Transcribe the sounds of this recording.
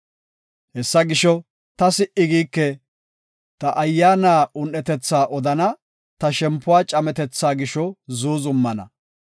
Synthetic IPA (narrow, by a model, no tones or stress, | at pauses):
hɛsːɐɡɪʃɔ | t̪ɐsɪʔɪɡiːkːɛ | t̪ɐʔɐjːaːnaːʊnʔɛt̪ɛt͡sːaːʔɔd̪ɐnɐ | t̪ɐʃɛmpːʊwaːt͡ʃʼɐmɛt̪ɛt͡sːaːɡɪʃɔzuːzʊmːɐnɐ̰